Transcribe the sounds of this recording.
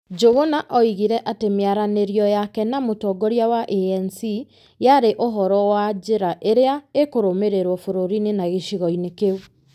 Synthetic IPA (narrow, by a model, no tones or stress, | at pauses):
d͡ʒoɣonaʔɔiɣiɾɛʔatemeaɾaneɾjɔjakɛnamotɔɡɔɾjawaʔeɛnsi | jaɾeʔoɦɔɾɔwad͡ʑeɾaʔeɾeaekoɾomeɾeɾwɔfoɾoɾinenaɣeʃiɣɔinekeu